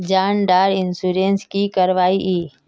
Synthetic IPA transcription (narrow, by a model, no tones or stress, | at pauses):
d͡ʒaːnɖaːɾɪnsuːɾenskikəɾʋaːiʔiː